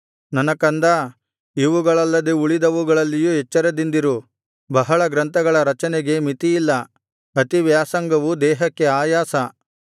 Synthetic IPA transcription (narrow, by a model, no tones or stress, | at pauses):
nɐnɐkɐnd̪ɐ | iʋuɡɐɭɐlːɐd̪euɭid̪ɐʋuɡɐɭɐlːijuɦɛt͡ʃːɐɾed̪ind̪iɾu | bɐɦɐɭɐɡɾɐnt̪ɐɡɐɭɐɾɐt͡ʃɐnɛɡe̞mit̪ijilːɐ | ɐt̪iʋjaːsɐŋɡɐʋud̪ɛːɦɐkːe̞aːjaːsɐ